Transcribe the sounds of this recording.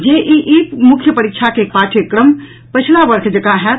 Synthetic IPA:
d͡ʒeʔiʔipmʊkʰjəpəɾikʃʰakepaːʈʰjəkɾəm | pət͡ʃʰlabəɾkʰd͡ʒəkaɦɛ

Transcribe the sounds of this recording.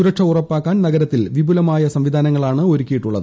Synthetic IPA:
uɾɐkʂɐurɐpːaːkːaːnnɐɡɐɾɐt̪ːilʋibulɐmaːjɐsɐmʋid̪ʱaːnɐŋːɐɭaːɳɨoɾukʲːijiʈːuɭːɐðɨ

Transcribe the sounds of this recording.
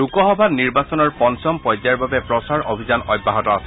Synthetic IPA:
ukɔxɔbʱaniɹbasɔnɔɹpɔnsɔmpɔjzaɹbabɛpɹɔsaɹobʱizanɔjbːaɦɔtɔasɛ

